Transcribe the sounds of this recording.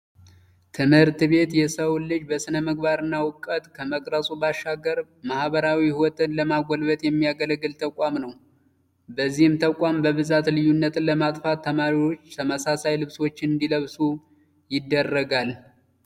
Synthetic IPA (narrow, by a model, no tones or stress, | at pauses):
t̪ʰɨmhɨɾt̪βe̞t̪jɛsəwlːɨd͡ʒbəsɨnəməɡ̚baɾɨnːawʊkʼːət̪ʼkʰəməkʼɾəsʼubaʃːaɡəɾ | mahβəɾawihwɔt̪ʼɨnləmaɡʷɔlbət̪ʼjɛmːijaɡələɡːɨlt̪ʰəkʷʼamnəw | bəzːihɨmt̪ʰəkʷʼambəβɨzat̪lɨjunːət̪ləmat̪ʼfat̪ʰːəmaɾiwo̞t͡ʃːt̪ʰəməsasajlɨβso̞t͡ʃːɪnɨnd̪iləβsu | jɪd̪ːərːəɡal